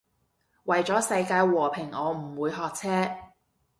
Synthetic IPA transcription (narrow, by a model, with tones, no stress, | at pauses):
wɐ˨jt͡sɔː˨˥sɐ˧jkaː˧jwɔː˨˩pʰɪ˨˩ŋɔː˨˧m̩˨˩wuː˨˧jɦɔː˨k̚t͡sʰɛː˥